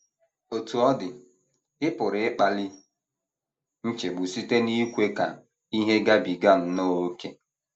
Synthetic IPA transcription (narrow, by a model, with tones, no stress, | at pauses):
o˨tu˨ɔ˦dɪ˨ | ɪ˦pʊ˨ɾɪ˨ɪ˦k͡pa˨lɪ˦ | n̩˦t͡ʃe˨ɡ͡bʊ˨si˦te˦ni˦kʷe˦ka̰˨ | i˦ɦe˦ɡa˦bi˨ɡa˦n̩˦no˦o˦ke˦